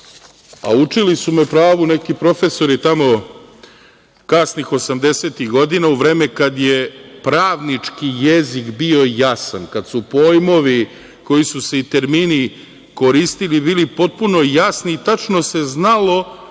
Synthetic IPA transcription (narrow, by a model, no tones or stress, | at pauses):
a̰ut͡ʂilisumepɾaːʋunekipɾo̞fe̞so̞ɾit̪amo̞ | kasnixo̞samd̪e̞seːt̪iɣɡo̞d̪inauʋɾe̞ːmekad̪je̞pɾaːʋnit͡ʂkijezikbio̞jasa̰nkad̪supo̞jmo̞ʋi | ko̞jisuse̞it̪e̞ɾmiːni | ko̞ɾist̪ilibiːlipo̞t̪̚puno̞jasniːt̪at͡ʃno̞se̞znalo̞